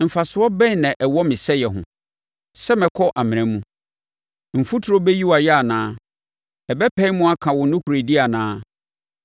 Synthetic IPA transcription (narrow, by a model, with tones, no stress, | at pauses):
m̩˨fa˨sʊ˨˦ɔ˦bɛ̃˦nɛ̃˨ʔɛ˨wɔ˦mɪ̃˨sɛ˦jɛ˨ɦʊ̰̃˨ | sɛ˦mɪ̃˨kʰɔ˦ʔa˨mɪ̃˨ɾɛ̃˨mũ˦ | m̩˨fu˦tʰʊ˨ɾo˦bɛ˦ji˦wa˨jɛ˦a˨nãː˦ | ɛ˨bɛ˦pʰɛ˦i˦mũ˦a˦kʰã˨wʊ˨nʊ̃˦kʰu˨ɾe˨di˦a˨nãː˦